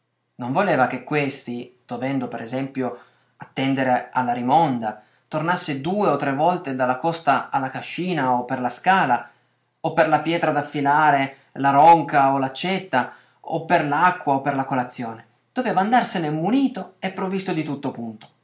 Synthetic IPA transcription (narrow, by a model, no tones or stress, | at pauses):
noɱvolɛːvak̟ekːwest̪id̪̥ovɛnd̪opeɾʔɛzɛmpjo | at̪ːɛnd̪eɾealːaɾimɔnd̪a | t̪ornasːed̪uːeot̪ːɾevːɔlt̪ed̪alːakɔst̪aalːakaʃːiːnaopːerlaskaːla | opːerlapjɛːt̪ɾad̪afːilaːɾe | laɾɔŋkaolat͡ʃɛt̪ːa | opːerlakːwaopːerlakolat̪sːjoːne | d̪̥ovɛːvaːnd̪arsenemuniːt̪oɛpːɾovist̪od̪it̪ut̪ːopunt̪o̥